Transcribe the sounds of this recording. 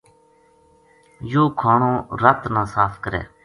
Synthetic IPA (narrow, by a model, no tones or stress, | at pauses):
joːkʰaːɳõːɾət̪nãːsaːfkəɾḛː